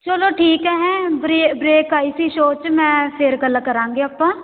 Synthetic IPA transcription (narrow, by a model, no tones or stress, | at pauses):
t͡ʃoːloːʈʰiːkɦɛːɦɛ̃ːbɾebɾeːkaːisiːʃoːt͡ʃmɛ̃ːpʰɪɾɡəlːəkəɾãːŋɡeːəpːãː